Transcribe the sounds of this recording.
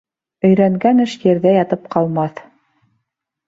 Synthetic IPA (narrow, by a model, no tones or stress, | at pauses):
ɵ̆jɾæŋɡænɘʃjɘ̆ɾðæjɑt̪ɤp̚qɑlˠmɑθ